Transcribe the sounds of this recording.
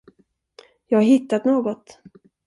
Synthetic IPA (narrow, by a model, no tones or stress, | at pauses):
jɑːɡaɾɦɪt̪ːat̪noːɡɔt̪